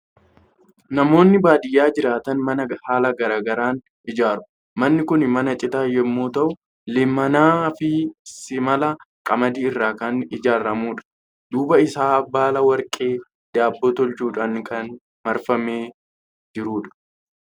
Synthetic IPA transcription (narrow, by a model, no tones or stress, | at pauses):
nɐmo̞ːnːɪbaːd̪ɪjːaːd͡ʒɪɾaːt̪ɐnmɐnɐhaːlɐɡɐɾaːɡɐɾaːn | ɪd͡ʒaːɾʊ̥ | mɐnːɪkʊnmɐnɐt͡ʃʼɪt̪aːjɛmːoːt̪ɐʔʊ | lɪmɐnaːfɪsɪmɐlɐkʼɐmɐd̪iːɪrːaːkɐnɪd͡ʒaːɾɐmuːᶑɐ̥ | d̪uːbɐɪsaːɐbːaːlɐwɐɾkʼe̞ː | d̪aːbːot̪ɔlt͡ʃuːᶑankɐn | mɐɾfɐmeː | d͡ʒɪɾuːᶑɐ̥